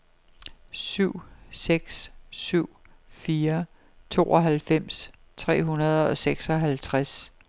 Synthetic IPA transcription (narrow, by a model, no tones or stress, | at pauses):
syʊ̰seɡ̥ssyʊ̰fiːɐ | t͡sʰo̝̰ːɒ̽ɦælfem̰s | t͡sʰʁɛ̰ːɦunɐð̞ˠɒ̽seɡ̥sɒ̽ɦælt͡sʰʁas